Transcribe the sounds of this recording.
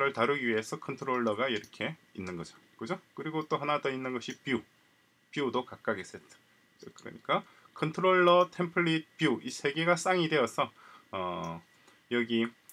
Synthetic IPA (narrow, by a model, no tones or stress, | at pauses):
ɾɯɭtaɾɯɡiɥie̞sʰʌkʰʌntʰɯɾoɭːʌɡaiɾʌkʰe̞inːɯnɡʌd͡ʑo | kɯd͡ʑokɯɾiɡot͈oɦanadʌinːɯnɡʌɕʰipiu | piudokak͈̚aɡes͈et͈ḁ | kɯɾʌ̰ɲik͈a | kʰʌntʰɯɾoɭːʌtʰe̞mpʰɯɭːipiuisʰe̞ɡe̞ɡas͈aŋide̞ʌsʰʌʌ | jʌɡi